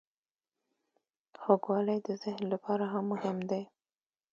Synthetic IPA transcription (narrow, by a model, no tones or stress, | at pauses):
xoɡwɑləjd̪əzɪhnlapʰɑɾaɦamːʊhɪmd̪e